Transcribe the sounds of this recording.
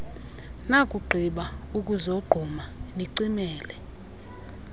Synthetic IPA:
nakʼuɡ͡ǃʱiɓaukʼuzɔɡ͡ǃʱɔmaniǀimɛːlɛ

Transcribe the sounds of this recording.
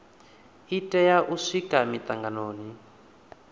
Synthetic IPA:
itʼɛjaʔuʂikʼamit̪ʼaŋɡanoːni

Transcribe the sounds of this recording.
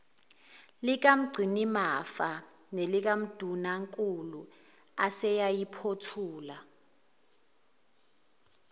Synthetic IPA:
lik̬am̩ɡ͡ǀʱinimafa | nelik̬am̩d̥ʱunaŋkʼulu | asɛjajipʰotʰuːla

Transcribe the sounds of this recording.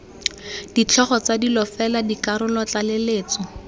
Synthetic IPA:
d̥it͡ɬʰɔχɔt͡sadilɔfɛladikaɾʊlɔt͡ɬaleleːt͡sɔ

